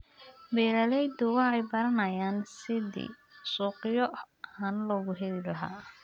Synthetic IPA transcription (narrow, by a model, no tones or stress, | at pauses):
bɛːlɐlɛjd̪ʊwɑħɛjbɐɾɐnɐjaːnsɪðḭː | suːqɪjɔ | hɐnlɔɣʊɦɛðɪlɐɦa̰ː